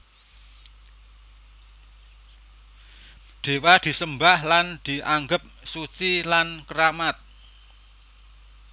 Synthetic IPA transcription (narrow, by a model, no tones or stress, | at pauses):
d̪̥e̤wad̪̥i̤səmbahland̪̥i̤ʔaŋɡəp̚sut͡ʃilankəɾamat̪̚